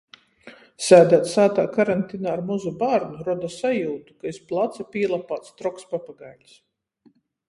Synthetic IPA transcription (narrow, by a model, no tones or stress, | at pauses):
sæːd̪æːt̪saːt̪aːkaɾanʲt̪ʲinaːɾmuzubaːɾnuɾɔd̪asajuːt̪u̥kaisplˠat̪sapʲiːlˠapaːt̪st̪ɾɔkspapaɡaːjlʲis